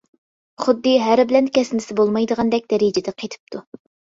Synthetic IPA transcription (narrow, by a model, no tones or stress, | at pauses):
χʊd̪ːɨɦæɾbɪlɛnkʲɛsnɪsɪbolˠmɑjd̪əʁɑnd̪ɛk̚ʲd̪̥ɛɾid͡ʒɪd̪ɛqʰet̪ʰɪ̥p̚t̪ʰu